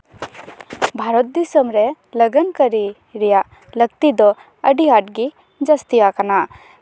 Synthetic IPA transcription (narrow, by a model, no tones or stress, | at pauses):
bʱaɾɔt̪̚d̪isəmɾɛ | ləɡənkəɾi | ɾijaʔ | ləɡt̪id̪ɔ | əɖiaʈ̚ɡi | d͡ʒəst̪iakana